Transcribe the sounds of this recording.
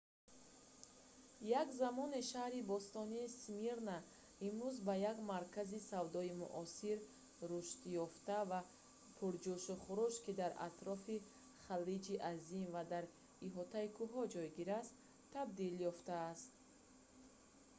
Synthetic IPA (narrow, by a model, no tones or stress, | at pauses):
jakzamɔneʃahɾibɔst̪ɔniːsmiɾna | imɾuzbajaɡmaɾkʰazisavd̪ɔimṵʔɔsiɾ | ɾuʃt̪jɔft̪ava | pʰuɾd͡ʒuʃuχuɾuʃkid̪aɾa̰t̪ɾɔfi | χalid͡ʒiʔazimvad̪aɾ | iɦɔt̪aikʰuɦɔd͡ʒɔjɡiɾast̪ʰː | ab̚d̪iljɔft̪aːst̪̚